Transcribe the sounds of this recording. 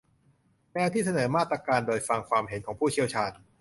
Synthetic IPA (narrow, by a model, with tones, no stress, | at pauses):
mɛː˧˥t̪ʰiː˥˩sa˧nɤː˩˦maː˥˩t̪ːɾa˧kaː˧ndoː˧jfa˧ŋkʰwaː˧mɦe˨˩˦nkʰɔː˩˦ŋpʰuː˥˩t͡ɕʰi˥˩əwt͡ɕʰaː˧n